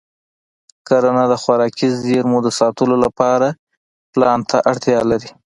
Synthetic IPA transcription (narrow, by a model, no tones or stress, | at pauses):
kaɾanad̪əxwaɾɑkizeɾmud̪əsɑt̪əlolapɑɾa | plɑnt̪ʰa̰ʔaɽt̪jɑlaɾi